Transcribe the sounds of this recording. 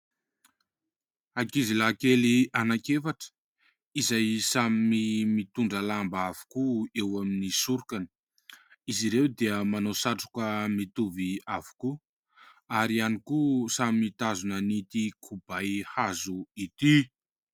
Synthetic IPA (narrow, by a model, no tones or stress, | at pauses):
akizilakelianakefaʈ͡ʂə̥ | izajsamimimit̪uɳɖ͡ʐəlambavu̥kuewaminisuɾukani̥ | iziɾewd̪eəmanosaʈ͡ʂu̥kəmit̪uviavu̥ku | aɾianikusamimit̪azunənit̪ikʰubajhazuit̪i